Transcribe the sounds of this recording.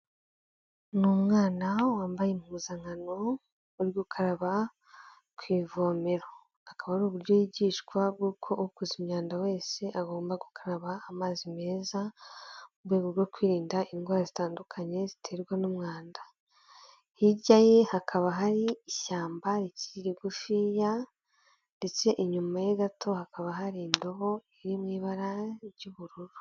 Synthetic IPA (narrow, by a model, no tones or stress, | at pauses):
numŋaːnawaːmbaje̞muuzaŋano̞ | uɾjɡukʰaɾaβa | kwiːvo̞ːme̞ɾo | akaβaɾuβuɾɟojiɟiːʃkwab̚ɡuːkʰo̞ʔuukuzimɲaːndawe̞ːse̞ʔaɡo̞ːmbaɡukʰaɾaβaːmaːzime̞ːza | ubwe̞ːɡoɾɡokwiːɾiːndaʔinɡwaːɾazitaːndukʰaɲe̞zitʰe̞ɾɡwanumŋaːnda | hiɟaje̞hakʰaβaɦaɾiːʃaːmbaɾiciɾiɾiɡufiːja | nde̞t͡se̞ʔiɲumajeɡatʰo̞hakaβaɦaɾiːndo̞βo̞iɾimŋiːβaɾaɾɟuβuɾuɾu̥